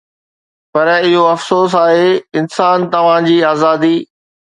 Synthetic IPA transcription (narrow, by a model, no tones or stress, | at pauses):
pɐɾɪɦoɐfsoːs̬aːɦeɪnsaːnt̪ɐʋ̤ãd͡ʑiːaːzaːd̪iː